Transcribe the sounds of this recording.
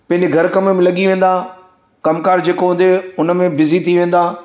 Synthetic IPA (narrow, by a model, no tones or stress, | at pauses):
pɐ̃ɦɪ̃ɲd͡ʑeɡʱɐɾkɐməmẽlɐɠiʋẽːn̆d̪aː | kɐmkaːɾd͡ʑeːkoɦʊ̃ːn̆d̪eʊnə̆mẽbɪzit̪ʰiʋẽːn̆d̪aː